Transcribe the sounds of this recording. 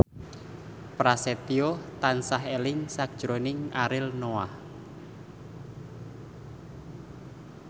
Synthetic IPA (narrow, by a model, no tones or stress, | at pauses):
pɾaset̪iot̪ansaɦelɪŋsak̚d̥ʒ̥ɾonɪŋaɾɪlnowah